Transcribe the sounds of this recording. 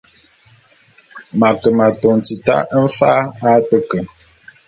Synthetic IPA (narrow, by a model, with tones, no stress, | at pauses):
ma˨kə˨ma˨tɔ˨n˨ti˨ta̰˦n̩˦fa˦a˦tə˦kə˨